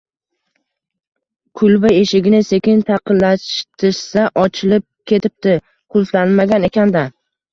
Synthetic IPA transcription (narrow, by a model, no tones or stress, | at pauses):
kʰʊlˠbɪe̞ʃɪɡʲɪnɪse̞kʲɪnt̪ʰɑqɨnlaʃt̪ʰɪʃsaʔɒt͡ʃʰɪlɪp̚kʲʰe̞t̪ʰɪp̚t̪ɪ | qʰʊlˠt̪lanmaɡʲane̞kʲand̪a